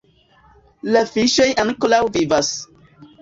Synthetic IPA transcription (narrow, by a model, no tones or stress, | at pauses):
lafiʃojʔanklawvivas